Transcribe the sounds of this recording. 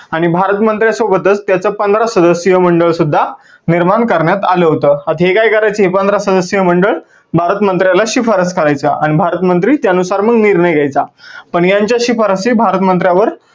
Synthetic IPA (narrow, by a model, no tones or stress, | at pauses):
aɽ̃ibʱaɾət̪mənt̪ɾjasʋobət̪ət͡st̪jat͡səːpənd̪ɾasəd̪əsjəməɳɖəɭsud̪ʱːa | niɾmaɳkəɾɳjat̪aləɦot̪əːat̪ɦekajkəɾajt͡səɦepənd̪ɾasəd̪əsjəməɳɖəɭ | bʱaɾət̪mənt̪ɾjalaɕifʰəɾəskəɾajt͡saʔaɽ̃ibʱaɾət̪mənt̪ɾiːt̪janusaɾməɡniɾnəjɡʱajt͡sapəɳjaɲt͡ɕjaɕifəɾəsiːbʱaɾət̪mənt̪ɾjaʋəɾ